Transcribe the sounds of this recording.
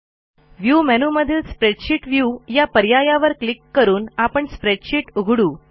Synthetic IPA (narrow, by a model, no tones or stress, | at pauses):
ʋjumɛnuməd̪ʱiːlspɾeɖɕiːʈʋjuːjapəɾjajaʋəɾklikːəɾuːnapəɳspɾeɖɕiːʈuɡʱɽuː